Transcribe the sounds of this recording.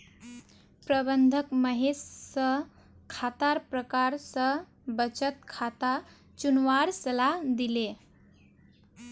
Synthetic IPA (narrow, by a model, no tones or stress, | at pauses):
pɾəbənd̪ʱəkməɦesːə | kʰat̪aɾpɾəkaɾsə | bət͡ʃət̪̚kʰat̪a | t͡ʃunʋaɾsəlad̪ile